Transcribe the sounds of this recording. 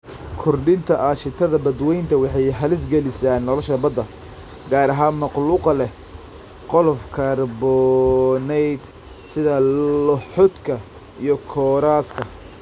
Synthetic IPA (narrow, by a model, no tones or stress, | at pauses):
kʰʊrɖɪnt̪ʰɐʔaːʃɪt̪ʰɐðɐbɐd̪wɛjnt̪ʰɐwɑħɑjɦɐlɪs̬ɡɐlɪsaːnːɔlɔʃɐbɐd̪ɐ | ɡaːɾɐɦaːnmɑqluːqɐlɛ | qɔlɔfkʰɐrbɔnɛjd̪ | sɪðɐlʊħʊd̪kʰɐ | ijɞkʰɔːɾaːskʰɐ